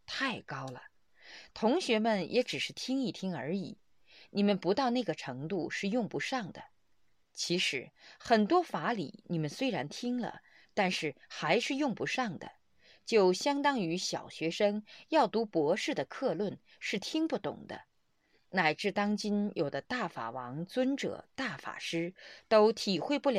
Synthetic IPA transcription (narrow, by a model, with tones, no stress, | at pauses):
t̪ʰa˥˩ɪkɑ˥ʊlə̰˩ | t̪ʰʊ˧˥ŋɕɥɛ˧˥mə˨njʔɛ˧˥ʈ͡ʂɻ̩˨˩ʂɻ̩˥˩t̪ʰi˥ŋi˥˩t̪ʰi˥ŋə̰˞˧˥i˨˩˦ | ni˨˩mə˧˦npu˧˥t̪ɑ˥˧ʊna˥˩ɡə˩ʈ͡ʂʰɤ˧˥ŋt̪u˥˧ʂɻ̩˥˧jʊ˥˩ŋpu˧˥ʂɑ˥˩ŋd̪ə̰˩ | t͡ɕʰi˧˥ʂɻ̩˧˥xə˨˩nt̪wɔ˥fa˧˥lḭ˨˩ni˨˩mə˦nswe˥ɪɻa˧˥nt̪ʰi˥ŋlə̰˨ | t̪a˥˧nʂɻ̩˥˩xa˧˥ɪʂɻ̩˥˧jʊ˥˩ŋpu˧˥ʂɑ˥˩ŋd̪ə̰˩ | t͡ɕjo˥˩ʊɕjɑ˥ŋt̪ɑ˥ŋy˧˥ɕjɑ˨˩ʊɕɥɛ˧˥ʂɤ˥ŋjɑ˥˩ʊt̪u˧˥pwɔ˧˥ʂɻ̩˥˩d̪ə˩kʰɤ˥˧lwə˥˩n | ʂɻ̩˥˩t̪ʰi˥ŋpu˥˩t̪ʊ̰˨˩ŋd̪ə̰˦ | na˨˩ɪʈ͡ʂɻ̩˥˩t̪ɑ˥ŋt͡ɕi˥njʔo˨˩ʊd̪ə˦t̪a˥˩fa̰˨˩wɑ˧˥ŋt͡swə˥nʈ͡ʂɤ̰˨˩˦t̪a˥˩fa̰˨˩ʂɻ̩˥t̪o˥ʊt̪ʰi˨˩xwe˥˧ɪpu˥˩lj